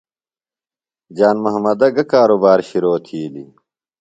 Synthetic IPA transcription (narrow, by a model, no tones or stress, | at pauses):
d͡ʑaːnmɐɦmɐd̪ɐɡɐkaːɾobaːɾɕiɾoːt̪ʰiːlḭ